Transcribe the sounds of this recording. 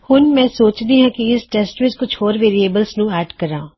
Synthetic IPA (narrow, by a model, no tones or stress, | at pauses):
hʊnmɛ̃ːsoːt͡ʃd̪iːɦɛ̃ːkiɪsʈɛːsʈʋɪt͡ʃkʊt͡ʃʰoːɾʋeːɾieːbəlsnũːɛːɖkəɾã̰ː